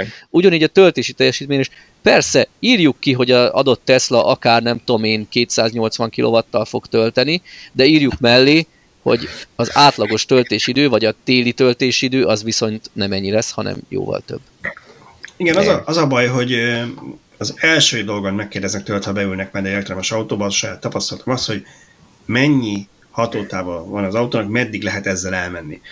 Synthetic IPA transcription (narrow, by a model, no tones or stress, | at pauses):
uɟɒniːɟɒt̪ølt̪eːʃit̪ɛjːɛʃiːt̪meːɲeʃ | pɛrsɛiːrjukːiɦo̞ɟɒɒ̰d̪o̞t̪ːɛslɒʔɒkaːrnɛmt̪oomeːnkeːt̪saːzɲo̞lt̪sʋɒŋkilʔo̰vɒt̪ːɒlfo̞kt̪ø̞lt̪ɛnid̪ɛiːrjukmɛlːeː | ho̞̰ɟɒzaːt̪lɒɡo̞ʃt̪ø̞lt̪eːʃid̪øːvɒɟɒt̪eːlit̪ø̞lt̪eːʃid̪øːʔɒzʋiso̞nt̪nɛmɛɲːilɛshɒnɛ̰mjo̰ːvɒ̰lt̪øbː | iɡɛnɒzɒʔɒzɒbɒjɦo̞ɟ | ɒzɛlʃøːd̪o̞lɡonmɛkːeːrd̪ɛznɛk̚t̪øːlɛt̪hɒbɛylnɛkmɛd̪ɛert̪ɾɛmɛʃɒut̪oːbɒʃɒjaːt̪ːɒpɒst̪ɒlt̪ɒmɒst̪ho̞ɟ | mɛɲːi | hɒt̪oːt̪aːvɒvɒnɒzɒut̪oːnɒkmɛd̪ːiɡlɛɦɛt̪ɛzːɛlɛlmɛnːi